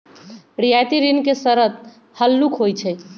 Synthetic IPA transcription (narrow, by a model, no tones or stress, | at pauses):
ɾijajt̪iɾinkesəɾət̪̚ | həlːukʰɦojt͡ʃʰɛ